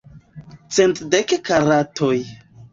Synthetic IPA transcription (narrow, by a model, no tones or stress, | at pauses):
t͡sentdekkaɾatʰoj